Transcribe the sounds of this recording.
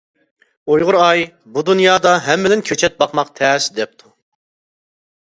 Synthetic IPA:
ojʁʊɾɑj | bud̪unjɑːd̪ɑɦɛmːɪd̪ɪnkʲʰøt͡ʃʰɛt̪̚bɑqmɑqt̪ʰɛːsd̪ɛp̚t̪ʰu

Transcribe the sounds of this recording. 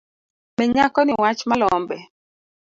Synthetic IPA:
mɛɲakɔnɪwat͡ʃmalɔmbɛ

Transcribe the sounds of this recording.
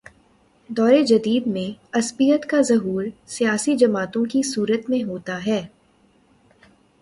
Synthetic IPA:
d̪ɔːɾed͡ʒɐd̪iːd̪mẽɐspijət̪kazɐɦuːɾsijaːsid͡ʒɐmaːt̪õkisuːɾət̪mẽɦoːt̪aɦɛː

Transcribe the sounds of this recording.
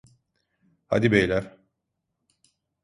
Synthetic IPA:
ha̰d̪ibejlʲæɾ̥

